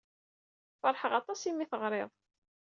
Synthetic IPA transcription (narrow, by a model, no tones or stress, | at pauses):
fɑɾˤħəʁɑt̪ˤɑsimːiθəʁɾɪðˤ